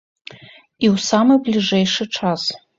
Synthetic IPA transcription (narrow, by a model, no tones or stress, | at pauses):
iwsamɨblʲiʐejʂɨʈ͡ʂʰas